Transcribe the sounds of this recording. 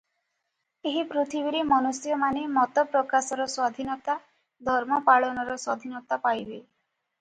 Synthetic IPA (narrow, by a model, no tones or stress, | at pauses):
eɦipɾut̪ʰibiɾemɔnusjɔmanemɔt̪ɔpɾɔkasɔɾɔswad̪ʱinɔt̪a | d̪ʱɔɾmɔpaɭɔnɔɾɔswad̪ʱinɔt̪apajbe